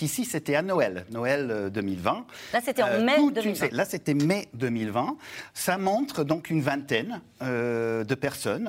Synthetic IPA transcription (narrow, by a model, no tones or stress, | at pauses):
isiset̪ɛanɔɛlnɔɛlød̪əmilvɛ̃laset̪ɛ̃ɛut̪sɛlaset̪ɛmed̪əmilvɛ̃samɔ̃t̪χd̪ɔ̃kynvɛ̃t̪ɛn | ød̪əpɛʁsɔn